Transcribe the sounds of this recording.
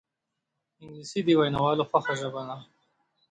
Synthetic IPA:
ɪŋɡlisid̪iwajnawɑːloxaxoʒabana

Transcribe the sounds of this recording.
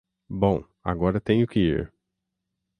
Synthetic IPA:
bõw̃ | a̰ɡɔɾɐt̪ẽj̃ʊkɪḭɾ

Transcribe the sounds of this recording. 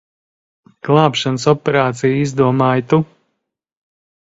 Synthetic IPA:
klˠaːpʃansɔpʲɛɾaːt̪sijizd̪uɔmaːjt̪u

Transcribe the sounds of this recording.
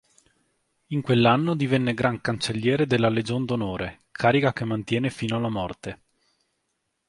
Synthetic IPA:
iŋkwelːanːod̪ivɛnːeɡɾaŋkant͡ʃelːjɛːɾed̪elːaled͡ʒoːnd̪onoːɾe | kʰaːɾikakemːant̪jɛːnefiːnoalːamɔrt̪e

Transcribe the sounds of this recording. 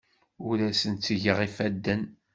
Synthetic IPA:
ʊɾæsənt̪t͡sːʝəʁifæd̪ːən

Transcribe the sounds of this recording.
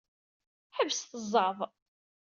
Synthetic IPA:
ħævsθəzˤːɑvˤ

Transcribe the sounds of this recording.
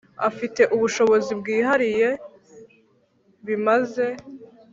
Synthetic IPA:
a̰fite̞ʔuβuʃo̞βo̞zibɡiːɦaɾije̞ | βimaze̞

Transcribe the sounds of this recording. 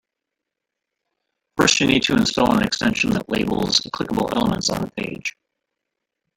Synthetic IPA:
fɜ˞st͡ʃɨnid̚tʰɨɨ̃nstɔlˠə̃nɨkstɛ̃nʃn̩ðəʔˡlḛɪbl̩ˠz̥əkʰl̥ɪkəbl̩ˠɛ̰lˠəmə̃ntsn̩ðəpʰeɪd̥ʒ̥

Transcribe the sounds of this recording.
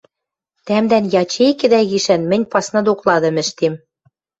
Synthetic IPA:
t̪æmd̪ænjɑt͡ɕejkɘ̆d̪æɣiʃænmɘ̆nʲpɑsnɤd̪oklɑd̪ɤ̆mɘ̆ʃt̪em

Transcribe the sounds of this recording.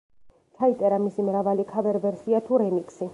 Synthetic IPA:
t͡ʃ̪ʰait̪ʼɛɾamisimɾavalikʰavɛɾvɛɾsiat̪ʰuɾɛmikʼsi

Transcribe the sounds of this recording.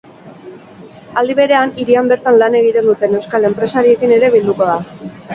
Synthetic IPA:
ald̪iβe̞ɾe̞aniɾiambe̞ɾt̪anlane̞ɣ̞it̪e̞nd̪ut̪e̞ne̞wskale̞mpɾe̞saɾie̞kine̞ɾe̞βild̪uko̞ða

